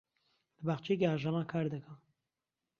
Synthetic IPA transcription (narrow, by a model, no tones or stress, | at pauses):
lɨbaːxt͡ʃʰek̬eaːʒamaːkʰaːɾd̪ɨkʰəm